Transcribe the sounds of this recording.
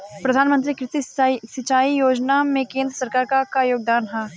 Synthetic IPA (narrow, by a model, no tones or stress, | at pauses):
pɾɐd̪ʱaːnmə̃nt̪̬ɾikɾɪt̪iisɪt͡ʃaːijoːd͡ʒnamẽkẽːnd̪ɾəsɐɾkaːɾkakajoːɡ̚d̪aːnɦaː